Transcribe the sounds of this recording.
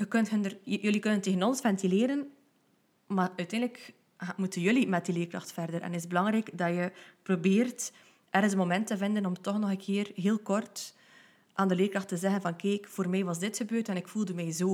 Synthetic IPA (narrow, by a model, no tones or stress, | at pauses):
xəkɵntɦəndərjɵlikɵnənteːɣənɔnsfɛntileːɾən | maːœɥtɛːndlək | amutənjɵlimɛt̚dileːrkrɑxtfɛrdəɾɛ̰nɪzbəlɑŋɾɛːɡdɑjəprobeːrt | ɛrənsəmomɛntəvɪndənɔmtɔxnɔɣənkʰɪːrɦeːlˠkɔrt | ʔaːndəleːrkrɑxtəzɛɣənvɑnkɛːkfoːrmɛjʋɑzdɪtxəbøːrtɛnɪkfulˠdəmɛjzoː